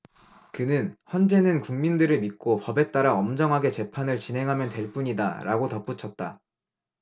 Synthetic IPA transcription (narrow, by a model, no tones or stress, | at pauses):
kɯnɯnçjʌnd͡ʑe̞nɯnkuŋmindɯɾɯɭmit̚k͈opʌbe̞t͈aɾaʌmd͡ʑʌŋɦaɡe̞t͡ɕe̞pʰanɯɭt͡ɕinɦe̞ŋɦamjʌntwe̞ɭp͈uɲida̰ɾʔa̰ɡotʌp͈ut͡ɕʰʌt̚t͈a